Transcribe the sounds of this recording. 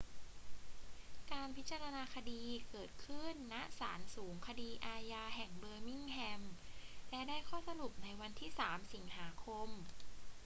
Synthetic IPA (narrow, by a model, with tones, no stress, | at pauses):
kaː˧npʰi˦˥t̪̚t͡ɕa˧ɾa˧naː˧kʰa˧diː˧kɤː˨˩t̪̚kʰɯ˥˩nːa˦˥ʔsaː˩˦nsuː˩˦ŋkʰa˧diː˧ʔaː˧jaː˧ɦɛ˨˩ŋbɤː˧mi˥˩ŋhɛ˧mlɛ˦˥daː˥˩jkʰɔː˥˩sa˧lu˨˩p̚na˧jwa˧nt̪ʰiː˥˩saː˩˦msi˩˦ŋhaː˩˦kʰo˧m